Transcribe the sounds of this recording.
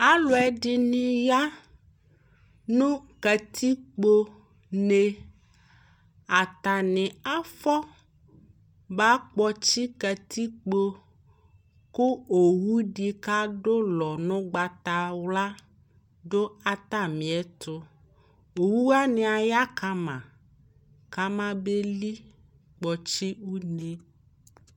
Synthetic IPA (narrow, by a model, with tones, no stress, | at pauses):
a˦lo˨ɛ˨ɖi˨nĩ˨ja˦ | nũ˦kɛ˨t̪ʰi˦k͡po˦ | ne˨ | a˨t̪a˨nɛ̃˨a˦fɔ˦ | ba˦k͡pɔ˦t͡ɕi˦kɛ˨t̪ʰi˦k͡po˦ | ku˦o˨wu˦ɖi˨ka˦ɖo˦lɔ˨nɔ̃˦ɡ͡ba˨t̪a˨wla˦ | ɖo˦a˦t̪a˦mĩ˨ɛ˦t̪o˦ | o˨wu˦wa˦nẽ˨a˨ja˦ka˦mã̰˨ | ka˦mã˦be˦li˦ | k͡pɔ˨t͡ɕi˦wu˦ne˦